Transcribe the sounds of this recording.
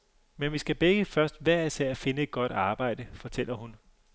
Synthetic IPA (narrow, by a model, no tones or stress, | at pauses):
menʋisɡ̥æb̥eɡ̥əfɶɐsd̥ʋæɐ̰iseɐ̰fe̝nəe̝d̥̚ɡ̥ɒ̽d̥ɑ̈ːb̥ɑ̈ɪ̰d̥əfɒ̽t͡sʰel̰ɐhun